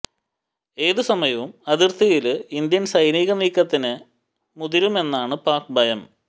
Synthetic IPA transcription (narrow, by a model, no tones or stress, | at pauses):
e̞ːðɨsɐmɐjɐʋumɐðirt̪ʰijilɨind̪jɐnsɐjniːɣɐmiːkːɐt̪ːinɨ | muðiɾume̞nːaːɳɨpaːk̚bʱɐjɐm